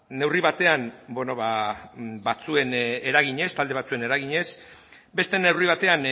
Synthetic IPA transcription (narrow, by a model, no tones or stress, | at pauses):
ne̞wriβat̪e̞anbono̞βa | bat͡sue̞neɾaɣ̞iɲe̞st̪ald̪e̞at͡sue̞ne̞ɾaɣ̞iɲe̞s | be̞st̪e̞ne̞wriβ̞at̪e̞an